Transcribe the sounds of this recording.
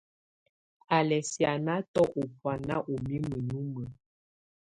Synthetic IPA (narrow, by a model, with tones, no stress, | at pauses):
a˨lɛ˨sja˨na˦tɔ˦ʔo˨pwa˨na̰˦ʔo˨mi˦mə˨nu˦mə˨